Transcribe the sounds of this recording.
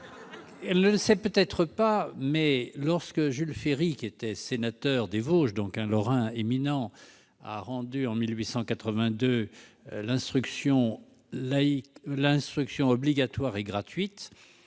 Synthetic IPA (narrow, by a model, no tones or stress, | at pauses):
ɛlnələsɛpøt̪ɛt̪χəpamɛlɔʁskəʒylfeʁikʲiet̪ɛsenat̪œʁd̪evoʃd̪ɔ̃kɛ̃lɔʁɛ̃eminɑ̃ | a̰ʁɑ̃d̪yɑ̃milɥisɑ̃kat̪χəvɛ̃d̪ø | lɛ̃st̪χyksjɔ̃ | laiklɛ̃st̪χyksjɔ̃ɔbliɡat̪waʁɛɡʁat̪ɥit̪